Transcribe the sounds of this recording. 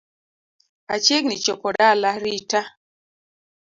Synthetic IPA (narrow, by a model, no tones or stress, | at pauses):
at͡ʃeɡnit͡ʃɔpɔdalaɾita